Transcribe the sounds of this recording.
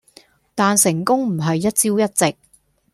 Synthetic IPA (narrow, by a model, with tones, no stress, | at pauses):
t̪aː˨nsɪ˨˩ŋkʊ˥ŋm̩˨˩ɦɐ˨jːɐ˥t̚t͡siː˥wjɐ˥t̚t͡sɪ˨k̚